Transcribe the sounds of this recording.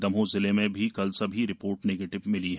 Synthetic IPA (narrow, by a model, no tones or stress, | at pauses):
d̪ɐmɦõzɪlemẽbʱikɐlsɐbʱiɾɪpoːɾʈneːɡeːʈɪʋmɪliɦɛː